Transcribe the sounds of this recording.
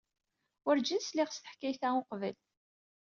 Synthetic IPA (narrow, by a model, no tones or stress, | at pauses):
wəɾd͡ʒinslɪʁst̪ə̥ħkæjθæʊqvəl